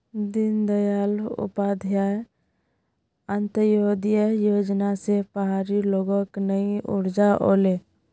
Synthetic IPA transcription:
d̪ɪnd̪əjalʊ̰paːd̪ʱjae | ənt̪əjoud̪ijəjoːd͡ʒnasepəɦaːɾiloːɡɔ̃knəĩʔʊ̰ɾd͡ʒaʔo̰le

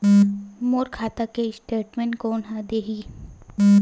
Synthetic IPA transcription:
moːɾkʰaːt̪akesʈeːʈmɛ̃nkoʊnɦad̪eːɦi

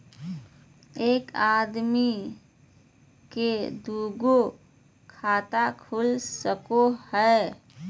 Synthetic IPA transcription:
eːkaːd̪mi | ked̪uːɡo | kʰaːt̪akʰulsəkohɛ

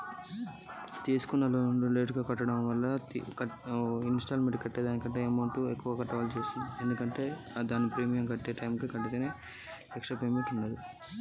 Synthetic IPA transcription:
t͡ʃe̞ːsu̥kunːɐlonuleːʈuɡaːkɐʈːɐɽɐ̃mʋɐlːɐḭkɐinsʈaːlmeʈkɐʈːeːd̪aːnikɐɳʈe̞ːɐmɐwɳʈuekːuʋaːkɐʈːɐʋaːlut͡ʃeːsind̪ie̞nd̪ukɐɳʈe̞ː | d̪aːnipɾeːmijɐmkɐʈːeːʈɐjmkikɐʈːit̪eːneː | pɛkʂɐpejmeɳʈuɳːɐd̪i

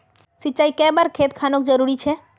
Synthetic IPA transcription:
sit͡ʃajkɛbaɾkʰet̪kʰanokd͡ʒəɾuɾit͡ʃʰe

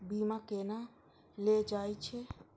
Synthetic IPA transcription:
biːmãkena | led͡ʒaːjt͡ʃʰe

